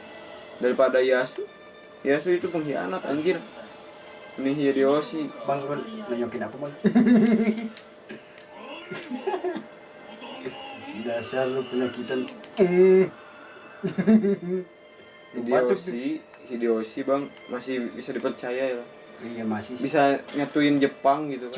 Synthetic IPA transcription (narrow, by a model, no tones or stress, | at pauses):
daɾipadajasu | jasuit̪upuŋɦia̰nap̪a̰ɲd͡ʒir | uniɦijadiɔsibaŋbannaɲɔkinapamaŋ | dasarupənakit̪an | hidiaosi | hidiosibaŋmasibisadipərt͡ʃajajalah | jamasibisaɲat̪uind͡ʒəpaŋɡit̪u